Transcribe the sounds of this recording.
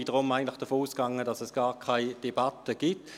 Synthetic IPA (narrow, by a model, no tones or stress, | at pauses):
iːdəʁʊmaɪɡəntlɪχd̥əfoːuːskɑŋədɑsɛsɡ̥aːʁkʰaɪd̥ebɑtəɡ̥it